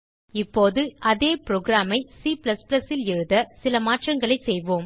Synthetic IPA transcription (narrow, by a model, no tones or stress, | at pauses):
ɪpːoːðɯʔɐðeːpɪɾoːɡɾaːmɐɪsiplɐsplɐsɪlɪɻɯðɐsɪlɐmaːʈrɐŋɡɐɭɐɪsɛjʋoːm